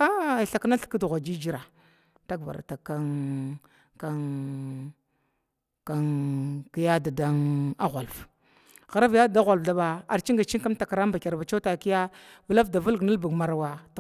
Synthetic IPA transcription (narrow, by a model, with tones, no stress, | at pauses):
a˦˨ɬa˨kna˦ɬki˦du˨ɣʷa˨d͡ʒi˦d͡ʒi˦ɾa˨ | ta˦ɡva̰˨a̰˨ta˨ka˦n | ka˦ | ka˨nki˦ja˦da˨da˦ŋa˦ɣʷa˨lf | ɣa˨ɾa˦vja˦dda˦ɣʷa˨lvda˦ba˨a˨ɾt͡ʃi˦ŋɡa˨t͡ʃi˦ŋka˦mta˨ka˨ɾa˦mba˨ka˨ɾva˨t͡ʃa˦ta˨ki˦ja˦vu˨la˦fda˨vu˦lɡna˦lbu˨ɡma˨ɾa˨wa˨t